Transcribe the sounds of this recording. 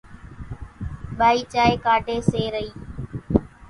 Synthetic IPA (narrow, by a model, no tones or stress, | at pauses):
ɓaːiːt͡ʃaːeːkaːɖʱeːseːɾəiː